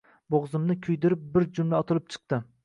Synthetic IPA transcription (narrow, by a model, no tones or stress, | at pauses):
boʁzɪmnɪkʲʰʊjd̪ɪɾɪp̚bɪɾd͡ʒʊmlaɒt̪ʰɪlˠɪp̚t͡ʃʰɨ̥q̚t̪ɪ